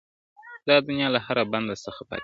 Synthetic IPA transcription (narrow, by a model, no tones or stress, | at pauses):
d̪̥ɑd̪ʊnjɑlahaɾaband̪asəxapɑ̰